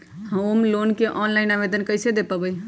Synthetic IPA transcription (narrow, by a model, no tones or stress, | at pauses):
həmomlonkeʔɔnlajnaβed̪ənkəjsed̪epəbəj